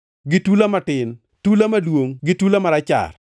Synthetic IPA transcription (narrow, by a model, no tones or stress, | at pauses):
ɡitulamatɪn | tulamadwoŋɡitulamaɾat͡ʃa̰r